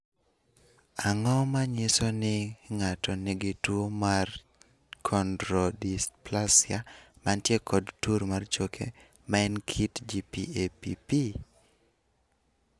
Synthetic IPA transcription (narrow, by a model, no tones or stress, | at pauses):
aŋɔmaɲɪsɔnɪŋatɔnɪɡɪtwomar | kʰɔndɾɔdisplasɪamantjekʰɔdtuɾmart͡ʃokʰḛ | maɛnkʰitd͡ʒipḭepḭpi